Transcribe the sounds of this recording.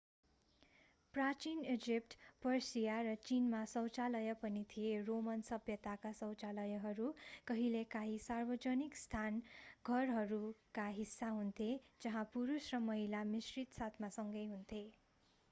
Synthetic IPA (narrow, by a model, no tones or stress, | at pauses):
prat͡sined͡zip̚ʈpʌrsijarʌt͡sinmasʌwt͡salʌjʌpʌnit̪ʰijeromʌnsʌbjʌt̪akasʌwt͡salʌjʌɦʌɾukʌɦilekaɦisarbʌd͡zʌnikst̪ʰanɡʱʌrɦʌɾukaɦisːaɦunt̪ʰed͡zʌɦãpuɾusrʌmʌɦilamisrit̪sat̪ʰmasʌŋɡʌjɦunt̪ʰe